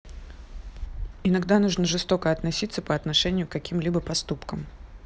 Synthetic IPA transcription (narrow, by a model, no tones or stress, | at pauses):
ɪnɐɡd̪anuʐnəʐɨst̪o̞kəɐt̪nɐsʲit̪sːəpəɐt̪nɐʂɛnʲɪjʊkɐkʲimlʲibəpɐst̪upkəm